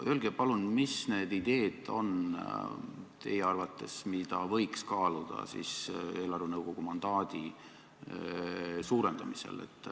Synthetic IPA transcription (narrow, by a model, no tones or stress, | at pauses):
ølɡ̥epɑlunmisne̞ːd̪̥id̪̥e̞ːd̪̥o̞̰n | t̪e̞̰jeɑrvɑt̪ːˑe̞smid̪̥ɑvɤjkskɑːlud̪̥ɑ̰sḭse̞ːlɑrvunɤwɡ̥o̞ɡ̥umɑnd̪̥ɑːd̪̥i | suːɾe̞nd̪̥ɑmisḛlḛt̪ːˑ